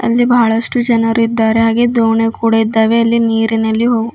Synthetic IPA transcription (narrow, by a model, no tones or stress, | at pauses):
ɐ̰lːibʱaːɭɐʂʈud͡ʒɐnɐɾuid̪ːaːɾeɦaːɡe̞d̪oːɳekuːɽɐid̪ːaːʋe̞ɐlːiniːɾinɐlːiɦoːɡu